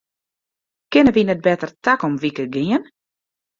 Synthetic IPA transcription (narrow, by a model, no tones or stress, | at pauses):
kɪnəʋinɛt̚bɛtərtakɔmʋikəɡɪən